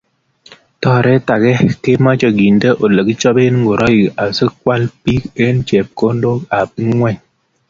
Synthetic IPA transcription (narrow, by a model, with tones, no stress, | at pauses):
tɔ˦ɾɛ˦ta˨ɡɛ˦ke˦ma˦t͡ʃɔ˨ɡi˨ndə˦ʔo˨lə˨ɡi˦t͡ʃɔ˦be˦n˦ŋɡo˨ɾʔɔ˦ji˨a˨sə˦kwa˦lpi˦ke˦n̩˦t͡ʃe˨p̚ko˦ndo˦ka˨p̚i˦ŋwɛ˦˨ɲ